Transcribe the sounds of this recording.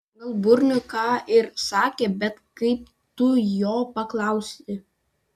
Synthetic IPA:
ɐɡɐlˠbʊɾʲnʲʊkɑːʔɪɾsɑːkʲeːbʲɛt̪kɐɪp̚ | t̪ʊjoːpɐklˠɑˑʊsʲɪ

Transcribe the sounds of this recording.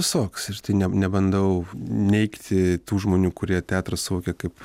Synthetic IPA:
ʋʲɪsoːksɪrt̪ɐɪnʲɛnʲɛbɐnd̪ɐʊnʲɛɪkt̪ʲɪt̪uːʒmoːnʲuːkʊɾʲiɛt̪ʲæːt̪rɐssʊʋoːkʲɛkɐɪp

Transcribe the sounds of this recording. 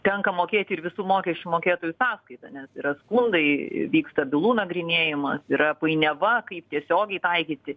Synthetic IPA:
t̪ʲɛŋkɐmoːkʲeːt̪ʲɪɪɾʋʲɪsuːmoːkʲɛʃʲt͡ʃʲumoːkʲeːt̪oːjusɑːskɐɪt̪ɐnʲɛsiɾɐskʊnd̪ɐɪ̰ʋʲiːkst̪ɐbʲɪlˠuːnɐɡɾʲɪnʲeːjɪmɐsiɾɐpɐɪnʲɛʋɐkɐɪp̚t̪ʲiɛsʲoːɡʲɛɪt̪ɐɪkʲiːt̪ʲɪ

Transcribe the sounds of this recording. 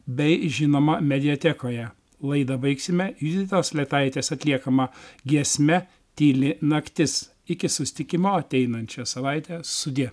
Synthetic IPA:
bʲɛɪʒʲɪnoːmɐmʲɛd̪ʲɪot̪ʲɛkoːjɛ | lˠɐɪd̪ɐbɐɪksʲɪmʲɛjid̪ʲɪt̪ʲoːslʲɛt̪ɐɪt̪ʲeːsɐt̪ʲlʲiɛkɐmɐɡʲiɛsʲmʲɛ | t̪ʲiːlʲɪnɐkt̪ʲɪs | ɪkʲɪsʊsʲɪ̥t̪ʲɪkʲɪmoːɐt̪ʲɛɪnɐnʲt͡ʃʲɛsɐʋɐɪt̪ʲɛsʊd̪ʲɪ

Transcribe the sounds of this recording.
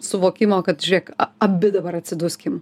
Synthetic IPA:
sʊʋoːkʲɪmoːkɐt̪ʒʲʊɾʲiɛkɐɐbʲɪd̪ɐbɐɾɐt̪ʲsʲɪd̪ʊsʲkʲɪm

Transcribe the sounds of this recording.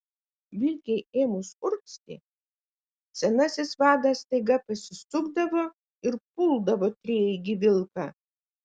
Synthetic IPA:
ʋʲɪlʲkʲɛjeːmʊsʊɾksʲt̪ʲɪ̰ | sʲɛnɑsʲɪsʋɑːd̪ɐst̪ɐɪɡɐpɐsʲɪst̪ʊɡd̪ɐʋo | ɪɾpʊlˠd̪ɐʋoːt̪ʲɾʲeːɪɡʲɪʋʲɪlˠkɑ

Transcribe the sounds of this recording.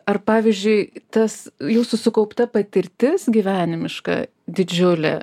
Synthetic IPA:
ɐrpɑːʋʲɪzʲd͡ʒʲʊɪt̪ɐsjuːsʊsʊkɐʊpt̪ɐpɐt̪ʲɪɾʲt̪ʲɪsɡʲiːʋʲæːnʲɪmʲɪʃkɑ̰ː | d̪ʲɪd͡ʒʲʊlʲɛ̰

